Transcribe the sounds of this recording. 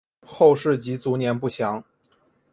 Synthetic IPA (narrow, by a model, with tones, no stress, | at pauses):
xo˥˧ʊʂɻ̩˥˩t͡ɕi˧˥t͡su˧˥njɛ˧˥npu˥˩ɕjɑ˧˥ŋ